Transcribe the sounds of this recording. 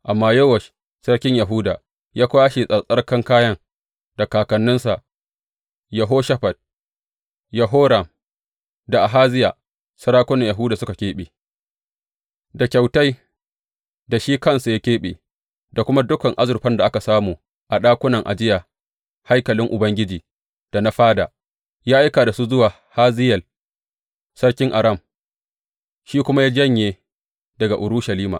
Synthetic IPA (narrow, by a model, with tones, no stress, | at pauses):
ʔa˨mːaː˦jɐ˦wɐ˨ʃ | sɐ˦ɽkʲɪ˦ɲja˨ɦʊː˦da̰ː˨ | jaː˦kʷaː˦ʃi˨sʼɐ˨sʼɐ˦rkɐ˦ŋkaː˦jɐ˦ŋ | d̥a˨kaː˨kɐ˨nːʊ˦nsa˨ʔ | jɐ˨ɦoː˦ʃɐ˦ɸɐ˨d̚ | jɐ˨ɦoː˦ɽa˨m | da˨ʔa˨ɦaː˦zɪ˦jaː˨ | sɐ˦ɽaː˦kʷʊ˦nɐ˨ja˨ɦʊː˦daː˨sʊ˦ka˨kʲeː˦ɓḛː˨ | da˨kʲa˨wta˦j | da˨ʃiː˦kɐ˦nsu˨ja˦kʲeː˦ɓḛː˨ | da˨kʷʊ˦ma˦dʊ˦kɐ˨ŋʔa˦zʊ˨ɸɐ˦nda˨ʔa˦ka˨saː˦muː˨ | ʔa˨ɗaː˦kʷʊ˦nɐ˨ŋʔa̰˨d͡ʒɪ˦jaː˨ | ha˦jkɐ˨lɪ˦ŋʔʊ˨bɐ˦ŋɡʲɪ˦d͡ʒiː˨ | d̥a˨na˦ɸaː˦da̰ː˨ | jaː˦ʔa˦jkaː˨da˨su˦zʊ˦waː˨ | haː˦zɪ˦jɐ˨l | sɐ˦ɽkʲɪ˦ŋʔa˨ɾɐ˦˨m | ʃiː˦kʷʊ˦ma˦ja˦d͡ʒɐ˦ɲjeː˨ | dɐ˨ɡa˨ʔʊ˨ɾʊ˦ʃa˨liː˦ma̰˨